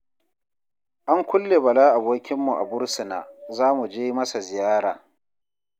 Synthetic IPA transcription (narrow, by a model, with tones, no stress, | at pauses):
ʔa˦ŋkʷʊ˦lːe˨bɐ˨laː˦ʔa˨boː˦kʲɪ˦mːu˨ʔa̰˨bʊ˦ɽsɪ˨na̰ː˨zaː˦mu˨d͡ʒeː˦ji˦mɐ˦sa˨zɪ˨jaː˦ɽaː˨